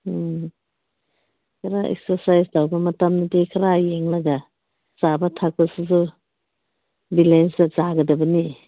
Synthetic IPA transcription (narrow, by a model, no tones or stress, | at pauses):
kʰɐɾaʔɛ̰k̚saɾsajsdawbɐmɐtamnadekʰɐɾajeŋlaɡa | z̥abatʰak̚basɯzu | bilensazaɡɐdɐbɐni